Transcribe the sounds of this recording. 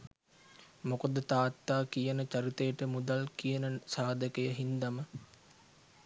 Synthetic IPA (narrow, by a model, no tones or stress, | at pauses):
mokod̪ət̪aːt̪ːaːkijənət͡ʃaɾit̪ejəʈəmud̪alkijənəsaːd̪əkəjəɦind̪amə